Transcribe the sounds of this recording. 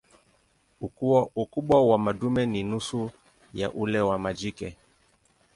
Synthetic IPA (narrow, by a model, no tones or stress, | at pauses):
ukuukuɓwawamadumɛninusu | ja̰ʔulɛwamad͡ʒikɛ